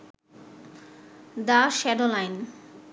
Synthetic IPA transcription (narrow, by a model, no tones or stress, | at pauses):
d̪aʃɛɖolajn